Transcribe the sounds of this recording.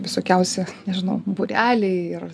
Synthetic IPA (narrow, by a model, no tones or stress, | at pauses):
ʋʲɪsoːkʲɛʊsʲɛnʲɛʒʲɪnɐʊbʊɾʲæːlʲɛɪɪr